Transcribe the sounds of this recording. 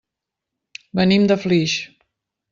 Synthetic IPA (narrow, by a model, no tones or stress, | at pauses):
bənimd̪əfliʃ